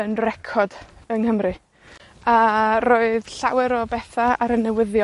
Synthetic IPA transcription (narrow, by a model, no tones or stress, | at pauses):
ənrɛkʰɔdənhəmrɨ | aroːɨðɬawɛɾɔbɛθaaɾənɛwɪðjɔ